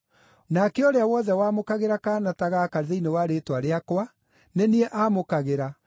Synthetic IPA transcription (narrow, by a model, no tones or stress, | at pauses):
nakeoɾeawɔðɛwaːmokaɣeɾakaːnataɣakaɾðeinewaɾeːtwaɾeakwa | neniɛʔamokaɣeɾa